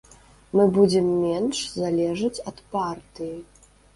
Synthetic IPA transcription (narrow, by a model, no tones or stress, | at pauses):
mɨbud͡zʲɛmːʲɛnʂzalʲɛʐɨt͡sʲɐt̪part̪ɨji